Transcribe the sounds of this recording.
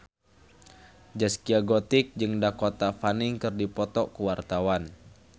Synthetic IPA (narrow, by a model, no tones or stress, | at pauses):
d͡ʒaskiaɡot̪ɪk̚d͡ʒɨŋdakot̪afaniŋkɨrdipɔt̪ɔkuwart̪awan